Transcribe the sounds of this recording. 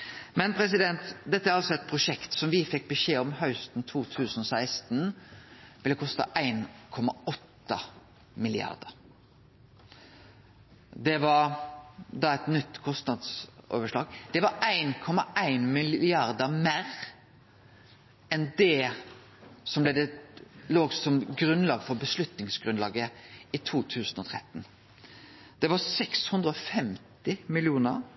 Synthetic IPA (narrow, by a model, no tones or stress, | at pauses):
mɛnpʰɾɛs̬ɪd̪ɛnt̪d̪ɛt̪ːəæɾɑlsɔɛt̪̚pʰɾʊʂɛkt̪sɔmʋɪfɛk̚ːbəʃeːɔmhœʉst̪n̩t̪ʰuːt̪ʰʉːsənɔsæɪst̪n | ʋɪlːəkʰɔst̪ɑ̰ʔæɪnkʰɔmɑ̰ɔt̪ːə̰ | mɪlɪɑ̰ɾd̪əɾ | d̪ɛʋɑɾ | d̪ɑɛt̪nʏt̪ːkʰɔst̪nɑd̪so̰ːʋəʂɭɑːɡd̪̥ɛʋɑɾæɪnkʰɔmɑʔæɪnmɪlɪɑɾd̪əmeːɾ | ɛnd̪ɛ | sɔmblɛd̪ɛloːɡsɔmɡɾʉnlɑːɡfɔɾbəslʉt̪nɪŋsɡɾʉnlɑːɡəit̪ʰuːt̪ʰʉːsənɔt̪ʰɾɛt̪ːn | d̪̥ɛʋɑsɛkshʉnd̪ɾəɔfɛmt̪ɪmɪlɪuːnə̰ɾ